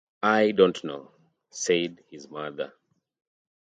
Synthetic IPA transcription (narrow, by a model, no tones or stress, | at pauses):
ajdõntnoʊ | seɪd̚hizmaðə̰˞